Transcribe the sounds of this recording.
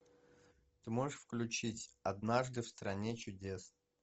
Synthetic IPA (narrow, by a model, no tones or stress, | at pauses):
t̪ɨmo̞ʐɨʂfklʲʉt͡ɕitʲɐd̪naʐd̪ɨfst̪ɾɐnʲet͡ɕʊdʲes